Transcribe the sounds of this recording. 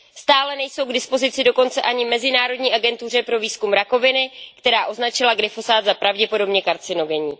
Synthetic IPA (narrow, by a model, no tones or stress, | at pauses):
st̪aːlɛnɛjso̞wɡdɪspo̞zɪt͡sɪdo̞ko̞nt͡sɛʔaɲɪmɛzɪnaːɾo̞dɲiːʔaɡɛnt̪ur̝ɛpɾoviːskumɾako̞vɪnɪkt̪ɛɾaːʔo̞znat͡ʃɪlaɡɾɪfo̞zaːd̪zapɾavɟɛpo̞do̞bɲɛkaɾt͡sɪno̞ɡɛɲiː